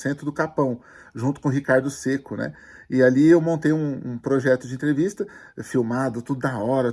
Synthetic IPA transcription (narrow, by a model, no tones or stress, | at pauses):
sẽnt̪ɾʊd̪ʊkapɐ̃w̃ʒũnt̪ʊkõɦikaɾd̪ʊsekʊnɛ̰ | ɪaliewmõnt̪ejũũpɾoʒɛt̪ʊd͡ʒɪẽt̪ɾevist̪ɐ | fiwmad̪ʊt̪ud̪ʊd̪aɔɾɐ